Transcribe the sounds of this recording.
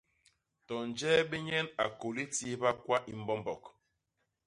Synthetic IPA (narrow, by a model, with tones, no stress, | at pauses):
tɔ˨n˨d͡ʒɛː˦be˦ɲɛ˦na˨ko˨li˦ti˦ba˦kwa˦ʔi˦m̩˦bɔ˦mbɔ˨k